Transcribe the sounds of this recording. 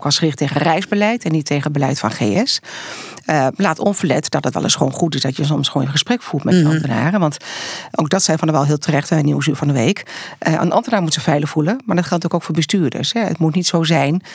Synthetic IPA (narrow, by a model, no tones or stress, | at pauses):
kɑsχrɪχteχəərɛjzbəlɛjtɛnːitːejχənəd̚bəlɛjtfɑnχḛɛs | laːtɔnvəɹlɛtd̥ɑtətʋɛ̰lˠɪsχəʋo̰wnχutɪsdɑtjəs̬ɔmsχʋo̰nɪnχəsprɛkfutmɛtdəɑmtəna̰ːrənʋɑntʔowk̚dɑtsɛjfɑnəʋɛlˠɦɪːlˠtʰərɛχtɛniwəs̬yːɹvɑndəʋejkʔə̰nʔɑmtənaːɹmutsəfɛjləχfuləmaːɹdɑtχɛltntyːəkowkfʊːɹbəstyːɹdə̰ɹsɦɛə̰tmutnitsowzɛjn